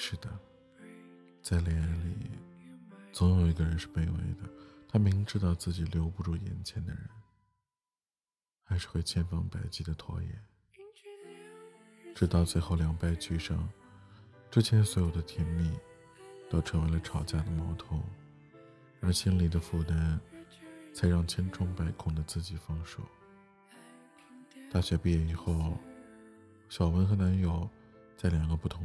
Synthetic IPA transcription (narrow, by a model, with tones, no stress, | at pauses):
ʂɻ̩˥˩d̪ə˩ | t͡sa˥˩ɪljɛ˧˥lḭ˨˩ | t͡so˧˥ʊjo˨˩ʊi˧˥ɡə˧ɻə˧˥nʂɻ̩˥˧pe˥ɪwḛ˧˥ɪd̪ə˨t̪ʰa˥me˧˥ɪ˥ʈ͡ʂɻ̩˥t̪ɑ˥˧ʊt͡sɹ̩˥˩t͡ɕi˨˩ljo˧˥ʊpu˥˧ʈ͡ʂu˥˩jɛ̰˧˥nt͡ɕʰjɛ˧˥nd̪ə̰˧ɻə̰˧˥n | xa˧˥ɪʂɻ̩˥˧xwe˥˩ɪt͡ɕʰjɛ˥˧nfɑ˥˩ŋpa˨˩ɪt͡ɕi˥˩d̪ə˩t̪ʰwɔ̰˧˥jɛ̰˨˩˦n | ʈ͡ʂɻ̩˥t̪ɑ˥˧ʊt͡swe˥˧ɪxo˥˩ʊljɑ˧˥ŋpa˥˩ɪt͡ɕy˥˩ʂɑ˥ŋ | ʈ͡ʂɻ̩˥t͡ɕʰjɛ˧˥nswɔ˧˥jo˨˩ʊd̪ə˦t̪ʰjɛ˧˥nmi˥˩ | t̪o˥ʊʈ͡ʂʰɤ˧˥ŋwe˧˥ɪlə˧ʈ͡ʂʰɑ˨˩ʊt͡ɕja˥˩d̪ə˨˩mɑ˧˥ʊt̪ʰʊ˧˥ŋ | a˧˩ɕi˥nli˨˩d̪ə˦fu˥˩t̪a˥n | t͡sʰa˧˥ɪɻɑ˥˩ŋt͡ɕʰjɛ˥nʈ͡ʂʰʊ˥ŋpa˧˥ɪkʰʊ˥˩ŋd̪ə˩t͡sɹ̩˥˩t͡ɕi˨˩fɑ˥ŋʂṵ˥˩ | t̪a˥˩ɕɥɛ˧˥pi˥˩jɛ˧˩i˧˩xo˥˩ʊ | ɕjɑ˨˩ʊwə˧˥nxɤ˧˥nna˧˥njo˨˩ʊ | t͡sa˥˩ɪljɑ˨˩ŋɡə˦pu˥˩t̪ʰʊ˧˥ŋ